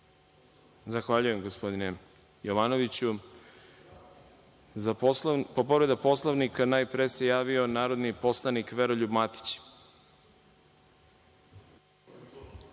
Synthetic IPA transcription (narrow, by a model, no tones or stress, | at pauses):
zaxʋaʎuje̞mɡospo̞d̪ine | joʋaːno̞ʋit͡ɕu | zapopoɾed̪apo̞slˠaʋnikanaːjpɾese̞jaːʋio̞naːɾo̞d̪nipo̞slˠanikʋeɾoʎubmat̪i̥t͡ɕ